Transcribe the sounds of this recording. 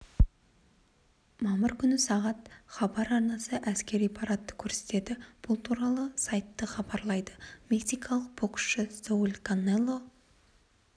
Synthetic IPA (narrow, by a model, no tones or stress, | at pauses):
mɑməɾkʲʰʏnɪsɑʁɑt̪χɑbɑɾɑɾnɑsəʔæskʲe̞ɾijpʰɑɾɑt̪ːə̥kʲʰɵɾse̞̥t̪e̞d̪ɪb̥ʊlˠt̪ʰuɾɑlˠəsɑjt̪ːəχɑbɑɾlˠɑjd̪əmʲeksijkʰɑlˠəq̚bokʃʃɪst̪oulʲkanːelˠːo